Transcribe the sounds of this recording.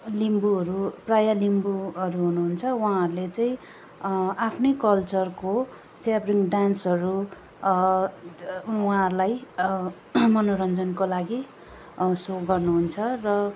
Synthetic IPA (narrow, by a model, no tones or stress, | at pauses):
limbuɦʌɾuprajalimbuʌɾuɦunuɦunt͡sʰʌwãɦʌɾulet͡sajĩ | apʰnʌjkʌlt͡sʌrko | t͡sjabriŋɖansʌɾu | wɦãɦʌɾulaj | mʌnoɾʌnd͡zʌnkolaɡi | soɡʌrnuɦunt͡sʰʌrʌ